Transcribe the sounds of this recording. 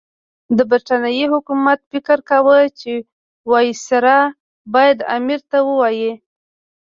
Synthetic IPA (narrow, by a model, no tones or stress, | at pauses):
d̪əbiɾʈanijihʊkumat̪fɪkəɾkawət͡ʃe | wɑjisaɾɑ | bɑjad̪a̰miɾt̪awəwɑji